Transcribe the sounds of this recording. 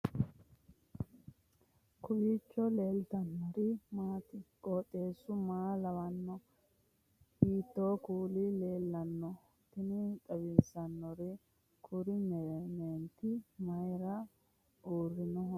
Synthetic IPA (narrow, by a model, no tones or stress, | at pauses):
kʊbiːt͡ʃːɔle̞ːlt̪ɐnːɔɾɪmaːt̪ɪkʼoːt̪ʼːe̞ːsːʊmaːlɐwɐnːɔ | hiːt̪ːoːkuːlɪle̞ːlːɐnːɔ | t̪ɪnɪt̪ʼɐbɪnsɐnːɔɾɪ | kʰʊɾɪmneːnt̪ɪmɐjɾɐ | uːrːɪnɔɦ